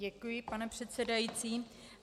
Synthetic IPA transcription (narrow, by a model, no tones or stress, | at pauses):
ɛkujɪpanɛpr̝̥ɛt̪sɛdajit͡siː